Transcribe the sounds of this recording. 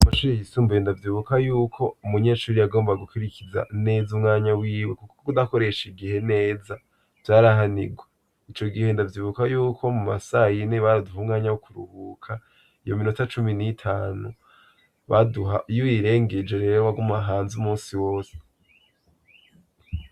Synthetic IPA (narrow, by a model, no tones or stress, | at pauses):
amaʃuːɾijisuːmbendavjiβukajuːkʰo̞umuɲe̞ːʃuːɾijaɡo̞ːmbaɡukuɾikiza̰ne̞ːzumŋaːɲawiːwe̞kukokokudako̞ɾe̞ʃiɡihe̞ne̞ːza | v̥jaːɾaɦanḭɡwe | it͡ʃo̞ɡihe̞ndavjiːβukajuːkʰo̞muma̰sajineβaɾaduhuːmŋaːɲawokʰuɾṵhuːkʰa | ijominutat͡ʃuminitʰaːnu | βaduɦajuwiɾe̞ːŋɡed͡ʒeɾeɾeɾwaɡumaɦaːnzumuːsiwo̞ːse̥